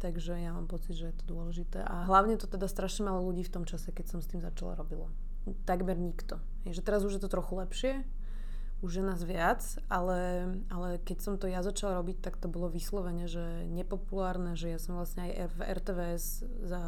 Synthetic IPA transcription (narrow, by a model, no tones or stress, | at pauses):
t̪aɡʒɛjama̰ːmpɔt͡sid̪ʒɛjɛt̪ɔ̥d̪ʊɔlɛʒit̪ɛ̰ːʔaɦlaʊɲɛt̪ɔt̪ɛd̪ast̪ɾaʃɲɛmalɔluɟiːft̪ɔmt͡ʃasɛkɛcsɔmst̪iːmza̰t͡ʃa̰la̰ɾɔbila̰ | t̪aɡmɛɾɲikt̪ɔ | ɦɛjʒɛt̪ɛɾazuʒjɛt̪ɔt̪ɾɔxulɛpʃɪɛ | uʒjɛnaːzʋɪat͡s | ʔalɛ | alɛkɛcsɔmt̪ɔjazat͡ʃalɾɔbic̚t̪akt̪ɔbɔlɔʋislɔʋɛɲɛʒɛ | ɲɛpɔpulaːɾnɛʒɛjasɔmʋlasɲɛajɛvɛ̰ɾt̪ɛʋɛɛz | za